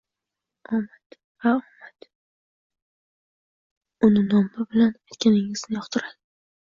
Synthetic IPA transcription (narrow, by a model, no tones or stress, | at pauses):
ɒmat̪ | vaɒmat̪ | ʊnɪnɒmɪbɪlanajt̪kʲʰanɪŋɪz̥nɪjɒqt̪ʰɪɾad̪ɪ